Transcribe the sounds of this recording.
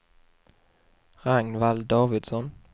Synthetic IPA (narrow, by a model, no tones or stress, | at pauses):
ʁaŋnvald̪ɑːvɪd̪sɔn